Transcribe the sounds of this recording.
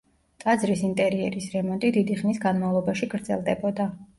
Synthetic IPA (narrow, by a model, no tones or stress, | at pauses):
t̪ʼad̪zɾisint̪ʼɛɾiɛ̰ɾisɾɛmɔnt̪ʼid̪id̪iχnisɡanmavlˠɔbaʃiɡɾd̪zɛ̰lˠd̪ɛbɔd̪a